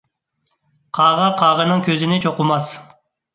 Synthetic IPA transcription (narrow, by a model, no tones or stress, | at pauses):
qʰɑːʁɑqʰɑːʁənɨŋkʲʰøzɪnɪt͡ʃʰoqʊmɑs